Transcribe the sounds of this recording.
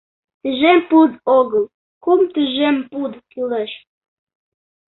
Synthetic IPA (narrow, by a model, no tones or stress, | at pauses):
t̪iʒempud̪oɣɤ̆l | kumt̪iʒempud̪kyleʃ